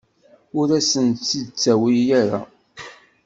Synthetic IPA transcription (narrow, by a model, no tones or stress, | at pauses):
ʊɾæsənt͡sːid̪t͡sːæwijæɾa̰